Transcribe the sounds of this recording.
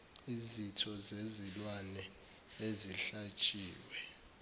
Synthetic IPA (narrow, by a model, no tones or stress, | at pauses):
izitʰɔzezilwanɛ | eziɬat͡ʃʼiːwɛ